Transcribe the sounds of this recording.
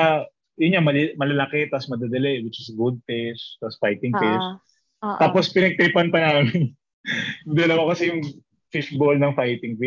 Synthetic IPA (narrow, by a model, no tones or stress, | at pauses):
a | jʊnɲamɐmɐlɐlɐkɛt̪asmɐd̪ad̪ɐlɛwɪt͡ʃɪsɡʊd̪̚fɪʃt̪asfajt̪ɪŋfɪʃ | t̪aːpospɪnɐɡ̚t̪ejpɐnpɐnaːmɪn | jʊŋd̪ɐlɐwakɐsɛjʊŋ | fɪʃbolnɐŋfajt̪ɪŋfɪ